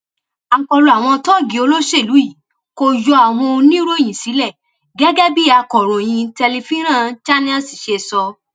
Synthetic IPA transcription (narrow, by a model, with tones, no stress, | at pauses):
a˨ŋ̩˨kɔ˧lo˨a˨w̃ɔ̃˧tɔ˦˨ɡi˨˦o˧lo˦ʃe˦˨lu˨˦i˦˨ | ko˧jɔ˧a˨w̃ɔ̃˧nĩ˦ɾo˦ẽ˦˨ĩ˨si˨˦lɛ˦˨ | ɡɛ˦ɡɛ˦bi˦a˧kɔ˨ɾɔ̃˨j̃ĩ˧tɛ˧le˧fĩ˦ɾã˦˨t͡ʃa˦nĩ˦ã˦si˨ʃe˧˨sɔ˧